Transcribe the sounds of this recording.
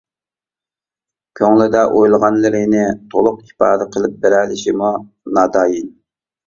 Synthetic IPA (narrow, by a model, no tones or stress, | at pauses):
kʲʰøŋlɪd̪ɛʔojlˠʁɑnlɪɾɪnɪt̪ʰolˠʊqi̥pɑ̰ːd̪ɛqʰəlˠɪp̚bɪɾɛlɪʃimu | nɑːd̪ɑːjin